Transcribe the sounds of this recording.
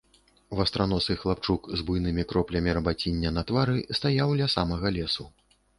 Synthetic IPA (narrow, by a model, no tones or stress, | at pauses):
vɐst̪ɾanɔsɨxlˠap̚t͡ʂukzbujnɨmʲikɾɔplʲɐmʲiɾɐbat͡sʲinʲːɐnɐt̪vaɾɨst̪ajawlʲɐsamɐɣɐlʲɛsu